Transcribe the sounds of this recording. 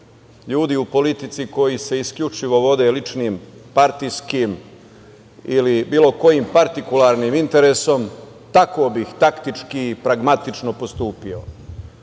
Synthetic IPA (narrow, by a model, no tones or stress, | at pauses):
ʎuːd̪iupo̞lit̪it̪siko̞jise̞iskʎʲut͡ʃiʋo̞ʋo̞d̪e̞lit͡ʃniːmpaɾt̪ijskim | ilibiːlo̞ko̞jiːmpaɾt̪ikulaːɾniːmint̪e̞ɾeːsom | t̪ako̞ːbixt̪akt̪it͡ʃkiːpɾaɡmat̪it͡ʃno̞po̞st̪uːpio̞